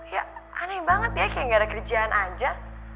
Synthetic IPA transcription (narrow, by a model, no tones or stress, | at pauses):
jaanɛbaŋət̪jakajŋɡaɾakərid͡ʒaːnʔad͡ʒa